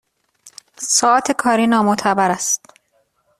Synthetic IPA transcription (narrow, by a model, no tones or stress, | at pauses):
sɒːɒːt̪ʰe̞kʰɒːɾiːnɒːmot̪ʰæbæɾæst̪